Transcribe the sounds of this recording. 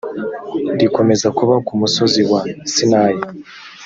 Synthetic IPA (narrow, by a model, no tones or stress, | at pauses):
ndiko̞me̞zakuβakumuso̞ziwasinaːji